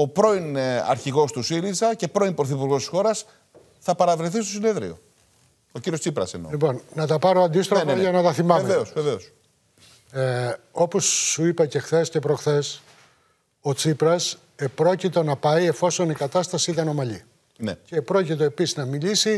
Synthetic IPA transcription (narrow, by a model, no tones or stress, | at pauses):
o̞pɾo̞inɐ̰ɾçiɣo̞st̪usiɾizɐce̞pɾo̞inpɾoθipuɾɣo̞st̪isxo̞ɾɐs | θɐpɐɾɐvɾiθist̪o̞sine̞ðɾḭo̞̰ | ociɾiost͡sipɾɐ̰sḛnolipo̞nnɐt̪ɐpɐɾo̞ɐnd̪ist̪ɾoneʝɐnɐt̪ɐθimɐvevve̞osveve̞o̞s | eo̞posːuipɐcexθe̞scepɾoxθe̞s | o̞t͡sipɾɐs | epɾo̞cit̪o̞nɐpɐje̞fo̞so̞nikɐt̪ɐst̪ɐsiit̪ɐno̞mɐʎi | ne̞̰cepɾo̞cit̪o̞e̞pisiznɐmilisi